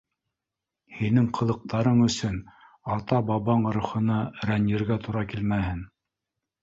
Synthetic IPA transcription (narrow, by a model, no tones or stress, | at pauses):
hinɘŋqʰɤ̆lˠɤ̆q̚t̪ɑɾɤɴɵ̆sɵn | ɑt̪ɑbɑβɑɴɤ̆ɾŭχɤ̆nɑɾænjĭɾɡæt̪uɾɑkilmæhɘn